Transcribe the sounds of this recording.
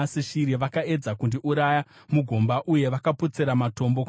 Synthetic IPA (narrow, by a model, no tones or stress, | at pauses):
siʃiɾiʋakae̞d͡zakundiʔuɾaja | muɡʱombaʔuje̞ʋakaput͡seɾamato̞mbo̞k